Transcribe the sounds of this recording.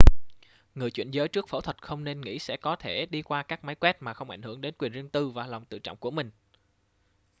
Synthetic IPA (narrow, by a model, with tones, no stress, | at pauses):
ŋɨ˨˩əjt͡ɕwḭ˧˨nzəː˨˦jt͡ɕɨ˦˥ək̚fo̰˧˩t̪ʰwə˨˩t̚xə˧wŋ͡mne˧nŋḭ˧˥sɛ̰˧˥kɔ˨˦t̪ʰe˧˩ɗi˧kwaː˧kaː˦˥k̚ma˨˦jkwɛ˦˥t̚maː˨˩xə˧wŋ͡mʔa̰˧˩jŋ̟hɨ˧˩əŋɗe˨˦nkwi˨˩ənzi˧əŋt̪ɨ˧vaː˨˩lɔ˨˩wŋ͡mt̪ɨ̰˧˨t͡ɕɔ̰˧˨ŋ͡mku˧˩əmï˨˩ŋ̟